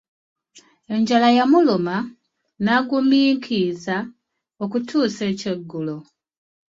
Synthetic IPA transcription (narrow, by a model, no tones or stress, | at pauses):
e̞ɲɟalajamuloma | naɡumiːŋkʰiza | o̞kutʰuːse̞ːce̞ɡːulo̞